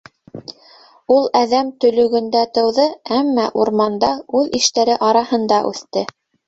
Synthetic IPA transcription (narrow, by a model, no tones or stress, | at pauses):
ulˠæðæmt̪ɵ̆lɵ̆ɡɵ̆nd̪æt̪ɤ̆wðɤæmːæʔuɾmɑnd̪ɑʉðiʃt̪æɾɘʔɑɾɑhɤ̆nd̪ɑʔʉ̰θt̪ɘ